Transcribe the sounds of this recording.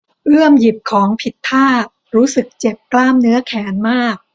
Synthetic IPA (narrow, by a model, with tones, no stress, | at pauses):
ʔɯ˥˩əmji˨˩p̚kʰɔː˩˦ŋpʰi˨˩t̪ʰːaː˥˩ | ɾuː˦˥sɯ˨˩k̚t͡ɕe˨˩p̚klaː˥˩mnɯ˦˥ɐkʰɛː˩˦nmaː˥˩k̚